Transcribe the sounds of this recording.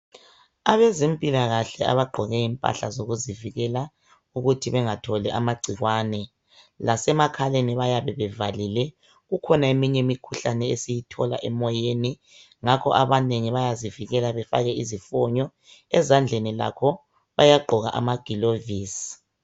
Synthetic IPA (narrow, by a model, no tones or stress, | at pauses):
aβezimpʼilaɣaɬɛa̰βaɡ͡ǃʱɔɣɛjimpʼa̰ɬazoɣuziviɣɛla | uɣutʰiβɛŋatʰɔlɛʔamaɡ͡ǀʱiɣwaːnɛ | lasɛmakʰaleniβajaβɛβɛvalilɛ | ɣukʰɔnaemiɲɛmikʰuɬanɛesijitʰɔ̰la̰ʔɛmɔjeni | ŋakʰɔ̰ʔaβaneŋiβajaziviɣɛlaβɛfa̰ɣɛizifɔɲɔ | ɛzand͡ɮʱenila̰kʰɔ | βajaɡ͡ǃʱɔɣa̰ʔa̰maɡ̥ʱiloviːs